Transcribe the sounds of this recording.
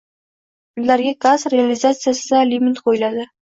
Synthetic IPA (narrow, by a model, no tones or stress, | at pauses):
ɪlːaɾɡʲaɡazɾealizat̪sɨjasɪd̪alʲimit̪qʰojɪlad̪ɪ